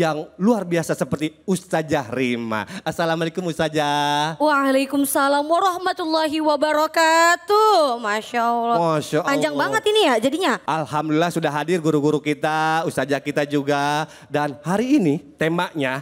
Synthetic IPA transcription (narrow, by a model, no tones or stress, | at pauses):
jaŋluarbiasasəpərt̪iust̪ad͡ʒahrima̰asalamalekʊmust̪ad͡ʒawaʕalajkʊmsalaːmwaɾˤɑhmat̪ulːaɦiwabaɾɔkat̪umaʃalaʃaʔpaɲd͡ʒaŋbaŋət̪inijad͡ʒadiɲaʔalhamdulilasudaɦadɪrɡuɾuɡuɾukit̪aust̪ad͡ʒahkit̪ad͡ʒuɡa | danhaɾiːnit̪emaʔɲa